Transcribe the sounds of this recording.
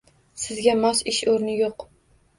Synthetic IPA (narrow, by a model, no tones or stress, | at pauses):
sɪzɡʲamɒsɪʃoɾnɪjoq